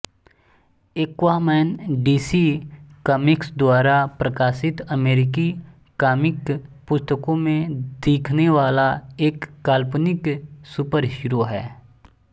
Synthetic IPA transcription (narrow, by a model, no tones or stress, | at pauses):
ekwamɛːnɖiːsikəːmɪksd̪waːɾapɾəkaːsɪt̪əmeːɾɪki | kaːmɪkpʊst̪əkõmẽd̪eːkʰneʋaːlaeːkːaːlpnɪksupəɾʃʊɾoɦɛː